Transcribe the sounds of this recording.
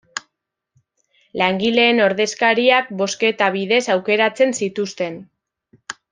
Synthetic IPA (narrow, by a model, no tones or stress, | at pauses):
laŋɡile̞ːno̞ɾðe̞skaɾiak̚bo̞ske̞t̪aβ̞iðe̞sawke̞ɾat͡se̞nsit̪ust̪e̞n